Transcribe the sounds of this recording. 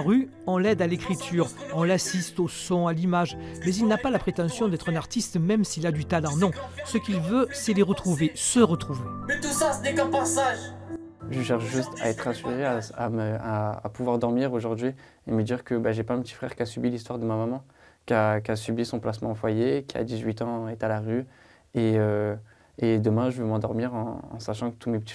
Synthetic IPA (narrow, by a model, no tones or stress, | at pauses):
ʁy | ɑ̃lɛd̪alekχit̪ʰyʁɔ̃lasist̪osɔ̃alimaʒmɛzilnapalapχet̪ɑ̃sjɔ̃d̪ɛt̪χɛ̃naʁt̪ist̪mɛmsilad̪yt̪alɑ̃nɔ̃səkilvøsɛleʁət̪χuvesəʁət̪χuvemɛt̪usasənɛkɛ̃pasaʒ | ʒəʃɛʁʃʒyst̪a̰ɛt̪χɛ̃syʁeaaməa̰ːpuvwaʁd̪ɔʁmiʁoʒuʁd̪ɥi | eməd̪iʁkəbaʒɛpaɛ̃pət̪i̥fχɛ̰ʁkʲasybilist̪waʁd̪əmamamɑ̃ | kʲakʲasybisɔ̃plasmɑ̰̃ɑfwajekʲia̰d̪izɥit̪ɑ̃ɛt̪alaʁy | eø | ed̪əmɛ̃ʒəvəmɑ̃d̪ɔʁmiʁɑ̰̃ːsaʃɑ̃kə̥t̪umɛpət̪i